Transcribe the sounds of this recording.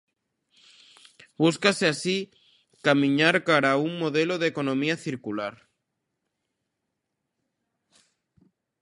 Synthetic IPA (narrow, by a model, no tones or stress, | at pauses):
buskaseasi | kamĩɲaɾkaɾauŋmoðeloðekonõmiaθiɾkulaɾ